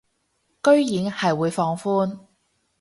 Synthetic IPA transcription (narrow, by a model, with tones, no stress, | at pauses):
kɵ˥ɥjiː˨˧˥ŋhɐ˨jwuː˨˧˥jfɔː˧ŋfuː˥n